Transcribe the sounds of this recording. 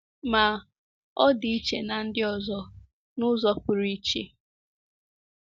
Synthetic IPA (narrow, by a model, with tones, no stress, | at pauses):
ma˨ | ɔ˦dɪ˨i˦t͡ʃe˨na˨n̩˦dɪ˦ɔ˨zɔ˦ | nʊ˦zɔ˦pʊ˨ɾi˦t͡ʃḛ˦